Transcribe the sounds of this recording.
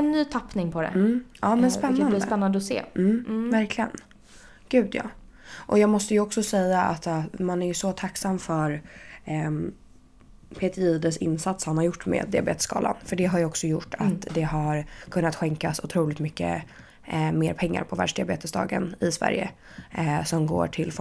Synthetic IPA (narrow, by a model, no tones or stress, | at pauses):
ɛnːyːt̪ʰapnɪŋpʰɔd̪ɛ̰m̩ːɑːmɛnspɛnːand̪əpɛnːand̪əɔsḛːm̩ːvæɾkʰlɪɡən | ɡ̥ʉ̟ːd̪jɑ̰ːʔɔjɑːɡmɔst̪əjɵɔksɔsɛjːaʔa̰t̪ːmanæɾjɵsɔt̪ʰaksamːfœɾ | pʰeːt̪əiːd̪əsɪnːsat̪shanhaɾjʊʈːmḛːd̪ːɪabeːt̪ə̥skʰɑ̰ːla̰nfœɖɛɦaɾjɔksɔjʊʈːat̪d̪ɛɦaɾkʰɵnːat̪ɧɛŋkasʊt̪ʰɾuːlɪkt̪mʏkːə̰ | meːɾpʰɛŋːa̰ɾpʰɔvæ̰ɖʂd̪ɪabeːt̪əsd̪ɑ̰ːɡə̰nɪsvæ̰ɾjə̰ | sɔmɡo̰ːʈʰɪlf